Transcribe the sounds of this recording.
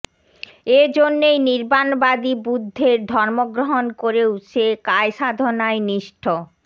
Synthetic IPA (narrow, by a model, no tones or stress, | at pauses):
ed͡ʑonːejniɾbanbad̪ibud̪ʱːeɾd̪ʱɔɾmoɡɾoɦonkoɾeuʃekaeʃad̪ʱonaeniʃʈʰo